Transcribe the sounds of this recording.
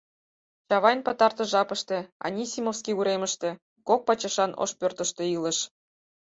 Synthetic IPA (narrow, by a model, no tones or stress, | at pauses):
t͡ɕɑβɑjnpɤt̪ɑrt̪ɤ̆ʒɑpɤ̆ʃt̪ĕɑ̰nʲisʲimofskʲiuɾemə̆ʃt̪ĕ | kok̚pɑt͡ɕɤ̆ʃɑnʔo̰ʃpʲørt̪ə̆ʃt̪ĕilɤ̆ʃ